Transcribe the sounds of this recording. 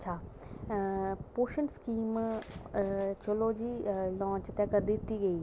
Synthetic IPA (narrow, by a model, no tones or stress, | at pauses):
t͡ʃʰaː | poːʃənskiːm | t͡ʃəloːd͡ʒiːlɔ̃ːt͡ʃt̪ɛ̃ːkəɾd̪ɪt̪iːɡəiː